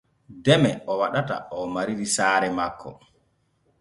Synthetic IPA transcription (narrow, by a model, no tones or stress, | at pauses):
dɛmɛɔwaɗata̰ɔmaɾiɾisaːɾɛmakʰːɔ̰